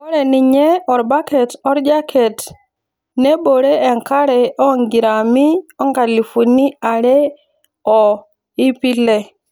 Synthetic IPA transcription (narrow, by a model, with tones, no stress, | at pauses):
ɔ˦ɾɛ˨ni˨ɲɛ˦ɔ˨ɾba˦kɛ˨tɔ˦ɾd͡ʒa˦kʰɛ˨t | nɛ˦ɓo˨ɾeː˦˨ŋka˦ɾɛ˨ɔ˦ŋɡi˨ɾa˨mi˦ɔ˦ŋɡa˨li˨fu˨ni˦a˨ɾɛ˦ | ɔ˨ | i˦pi˦lɛ˦